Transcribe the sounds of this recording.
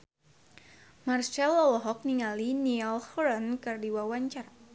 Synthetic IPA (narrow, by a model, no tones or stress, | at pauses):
marʃalɔlɔɦɔk̚niŋalinialhɾɔnkɨrdiwawaɲt͡ʃar